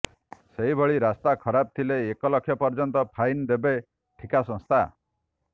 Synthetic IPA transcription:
seɦibʱɔɭiɾast̪akʰɔɾab̚t̪ʰileːkɔlɔkʰjɔpɔɾd͡ʒɔnt̪ɔpʰajnd̪ebe | ʈʰikasɔ̃st̪ʰa

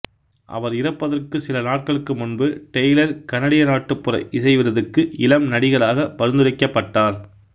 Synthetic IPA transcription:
ʔɐ̰ʋɐɾɪɾɐpːɐðɐrkɯsɪlɐnaːʈ̚kɐɭɯkːɯmʊnbɯʈɛjlɐɾkɐnɐɽɪjɐnaːʈːɯpːɯrɐ̰ɪʔɪsɐɪʋɪɾɐðɯkːɯɪlɐmnɐɽɪɣɐɭaːɣɐpɐɾɯnd̪ɯɾɐɪkːɐpːɐʈːaːɾ

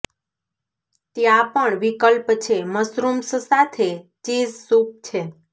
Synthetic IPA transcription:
t̪jãpəɳʋikəlpt͡ʃʰeməsɾumssat̪ʰet͡ʃizsup̚t͡ʃʰe

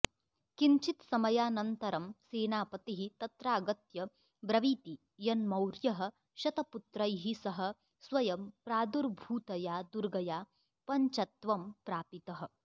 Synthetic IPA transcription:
kiɲt͡ʃit̪sɐmɐjaːnɐnt̪ɐɾɐmseːnaːpɐt̪iɦit̪ɐt̪ɾaːɡɐt̪jɐ | bɾɐʋiːt̪i | jɐnmɐwɾjɐɦɐ̆ | ʃɐt̪ɐput̪ɾɐjɦisɐɦɐ̆ | sʋɐjɐmpɾaːd̪uɾbʱuːt̪ɐjaːd̪uɾɡɐjaː | pɐɲt͡ʃɐt̪ʋɐmpɾaːpit̪ɐɦɐ̆

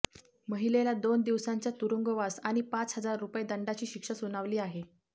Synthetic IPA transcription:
məɦilelad̪ond̪iʋsaɲt͡ɕjat̪uɾuŋɡəʋasaɽ̃ipat͡sɦəd͡zaɾːupjed̪əɳɖat͡ɕiːɕikʂəsunaʋliːaɦe

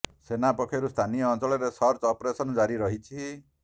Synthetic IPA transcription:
senapɔkʰɔɾust̪ʰanijɔːnt͡ʃɔɭɔɾesɔɾt͡ʃɔpɾesɔnɔd͡ʒaɾiɾɔɦit͡ʃʰi

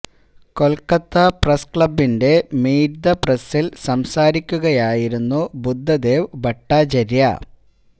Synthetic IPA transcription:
ko̞lkɐt̪ːɐprɐskɭɐbːinde̞miːɾd̪ɐpresilsɐmsaːɾikʲːuɣɐjaːjiɾunːubud̪ʱːɐd̪e̞ːʋbɐʈːaːd͡ʑɐɾjɐ̰

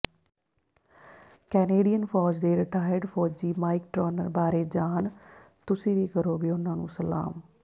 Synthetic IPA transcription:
kɛːneːɖijənpʰɔːd͡ʒd̪eːɾɪʈaːjəɾɖpʰɔːd͡ʒd͡ʒiːmaːɪk̚ʈɾɔːnəɾbaːɾeːd͡ʒaːn | t̪ʊsĩːʋiːkəɾoːɡeoːʊnãːnṵ̃ːsəla̰ːm

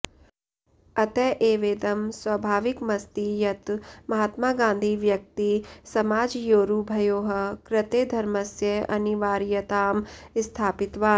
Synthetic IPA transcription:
ɐt̪ɛːʔeːʋeːd̪ɐmswɐbʱaːʋɪkmɐst̪ijɐt̪mɐɦaːt̪maːɡãːnd̪ʱiʋjɐk̚t̪isɐmaːd͡ʒjoːɾubʱɐjoːɦəkɾɪt̪eːd̪ʱɐɾməsjɐɐniʋaːɾijɐt̪aːmst̪ʰaːpɪt̪ʋaːn

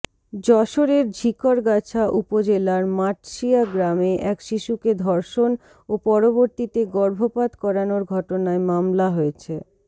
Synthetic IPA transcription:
d͡ʑɔʃoɾeɾd͡ʑʱikoɾɡat͡ɕʰaʔupod͡ʑelaɾmaʈʃiaɡɾameʔɛkʃiʃuked̪ʱɔɾʃon | opɔɾoboɾt̪it̪eɡɔɾbʱopad̪kɔɾanoɾɡʱɔʈonaemamlaɦojet͡ɕʰe

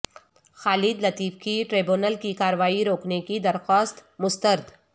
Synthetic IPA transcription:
xaːlɪːd̪lɐt̪iːfkiʈɾeːbjuːnəlkikaːɾəʋaːiɾoːknekid̪ɐɾxaːst̪mʊst̪əɾd̪

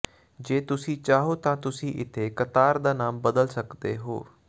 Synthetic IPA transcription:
d͡ʒeːt̪ʊsĩːt͡ʃaːɦoːt̪ãːt̪ʊsĩːʔɪt̪ʰːeːkət̪aːɾd̪aːnaːmbəd̪əlsəkd̪ḛːɦo̰ː

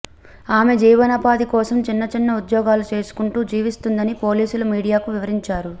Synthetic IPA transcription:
aːme̞d͡ʒiːʋɐnɐpaːd̪ikɔːsɐmt͡ʃinːɐt͡ʃinːɐud̪jɔːɡaːlut͡ʃe̞ːsu̥kuɳʈuːd͡ʒiːʋist̪und̪ɐnipo̞ːliːsulumiːɽijaːkuʋiʋɐɾiɲt͡ʃaːɾu

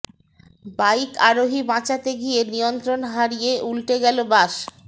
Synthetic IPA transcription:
bajkaɾoɦibãt͡ɕat̪eɡienijont̪ɾonɦaɾijeʔulʈeɡɛlobaʃ

